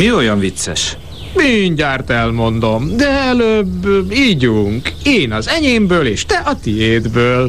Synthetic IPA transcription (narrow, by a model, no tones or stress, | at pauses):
mio̞jɒɱvit̪sɛ̰ʃ | miɲɟaːrt̪ɛlmo̞nd̪o̞md̪ɛɛløbːiːɟuŋkeːnɒzɛɲeːmbøːleːʃt̪ɛʔɒt̪ieːd̪bøːl